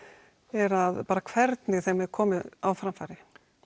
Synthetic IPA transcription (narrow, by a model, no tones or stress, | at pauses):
ɛɾaðpaːɾakʰv̥ɛɾt̪nɪɣθɛmɛɾkʰɔːmɪawfɾamfaːɾɪ